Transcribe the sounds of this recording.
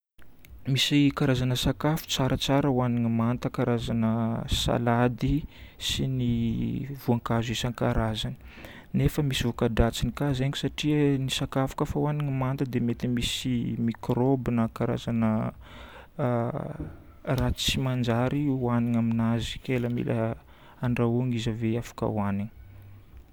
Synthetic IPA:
misikaɾazanəsakafu̥t͡saɾət͡saɾəwaniŋimant̪əkaɾazanəsa̰lad̪isiniv̥uaŋkazisaŋkaɾazani̥ | nefəmisivukadat͡sinikazeŋki̥saʈ͡ʂiənisakafḁkəfawaniŋimand̪əd̪emet̪imisimikrobinəkaɾa̰zanə | rat͡simand͡ʒaɾiwaniŋaminazikʲeləmḭlʔə | aɳɖ͡ʐauŋizaveafḁkə̰waniŋi̥

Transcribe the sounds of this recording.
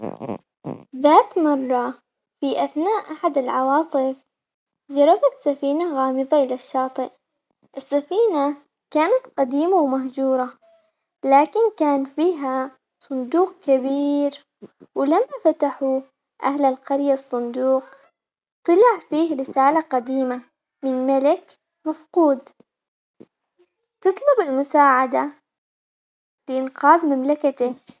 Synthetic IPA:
ðaːt̪mɑrˤːɑ | fiʔaθnaːʔʔaħad̪ɪlʕɑwɑːsˤɨf | d͡ʒɑɾˤːɑfat̪safiːnaɣaːmɨðˤɑʔɪlaʃːɑːt̪ˤɨʔ | ʔɪsːafiːna | kaːnat̪qɑd̪iːmawmaɦd͡ʒuːɾˤɑ | laːkɪnkaːnfiːɦa | sˤʊnd̪uːq̚kabiːɾ | wɪlamːafat̪aħu | ʔa̰hlalqɑɾjasˤːʊnd̪uːq | t̪ˤɑlɑʕfiːhɾɪsaːlaqɑd̪iːma | mɪnmalɪk | mafquːd̪ | t̪ɨt̪ˤlʊbɪlmʊsaːʕad̪a | bɪʔɪnqɑːðmamlakat̪ɪ

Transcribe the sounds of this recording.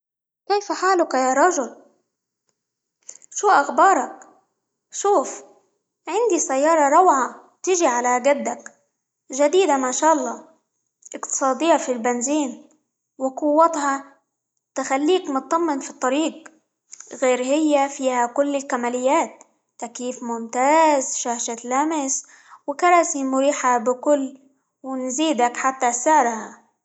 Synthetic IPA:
keːfaħaːlʊkajaːɾˤɑʒʊl | ʃuːʔaxbɑːɾˤɑk | ʃuːf | ʕɪnd̪isajːɑːɾˤɑɾˤɑwʕa | t̪ɪʒiʕalaɡad̪ːak | ʒad̪iːd̪amaʃaːʔɑlˤːɑː | ʔɪkt̪ɨ̥sˤɑːd̪ɪjːafilbɪnziːn | wɪqʊwːɑt̪hɑ | t̪ɪxalːiːkmʊt̪̚t̪ːɑmːɪnfit̪ˤːɑɾiːɡ̚ | ɣeːɾhɪjːafiːhakʊlːɪlkamaːlɪjːaːt̪ː | akiːfmʊmt̪aːzʃaːʃalamɪs | wɪkɑɾˤɑːsimʊɾiːħabɪkʊlː | wɪnziːd̪akħat̪ːasɪʕɾha

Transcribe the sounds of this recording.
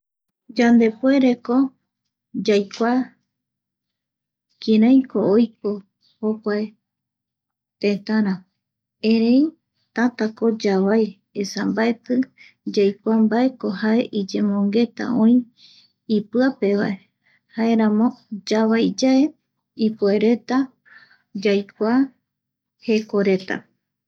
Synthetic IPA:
d͡ʒãnd̪e̞pwe̞ɾe̞ko̞ | d͡ʒajkʷa | kiɾãj̃ko̞ojko̞ | hokʷae | t̪ẽt̪ãɾ̃ã | ẽɾẽj | t̪at̪ako̞d͡ʒaβaj | esambae̞t̪ɨ | d͡ʒajkʷambae̞ko̞hae̞ʔid͡ʒe̞mõ̞ŋɡe̞t̪a̰ʔõ̞ĩ | ipɨape̞βae | hae̞ɾãmõ̞d͡ʒaβajd͡ʒae̞ | ipueɾe̞t̪a | d͡ʒajkʷa | he̞ko̞ɾe̞t̪a̰

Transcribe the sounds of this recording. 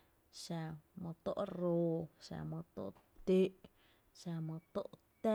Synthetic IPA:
samot̪oʔrosa̰mət̪o̰ʔt̪eʔ | samət̪o̰ʔt̪a

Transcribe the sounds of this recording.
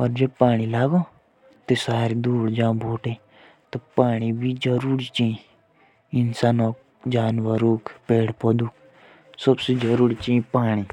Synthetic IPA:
ɔːɾd͡ʒɐb̚paːɽ̃ilaːɡo | t̪esaːɾid̪uːɽd͡ʒãːbʱoːʈẽ | t̪opaːɽ̃ibʱid͡ʒəɾuːɾit͡ʃĩĩ | ɪnsaːnoːk̚ | d͡ʒaːnʋəɾuːkpeːɽpɔd̪uːk | sɐbsed͡ʒɐɾuːɽit͡ʃĩĩpaːɽ̃i

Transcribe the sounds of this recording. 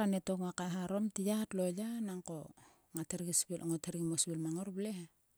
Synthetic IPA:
anetoŋoakaɦaɾo̞mtijatlo̞janaŋko | ŋateɾɡisbilʔoŋoteɾiŋmosbilmaŋoɾbleha

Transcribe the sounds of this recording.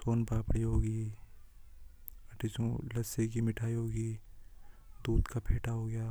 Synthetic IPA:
soːnpaːpɽiɦoːɡiː | ɐʈɪsõlɐsekimɪʈʰaːiɦoːɡiː | d̪uːd̪kapʰeːʈʰaɦoːɡɐjaː

